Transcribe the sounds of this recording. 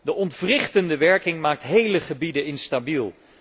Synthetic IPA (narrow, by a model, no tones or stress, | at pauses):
dəʔɔntvrɪχtəndəʋɛɹkɪŋmaːk̚tɦejləχəbidəɪnstabilˠ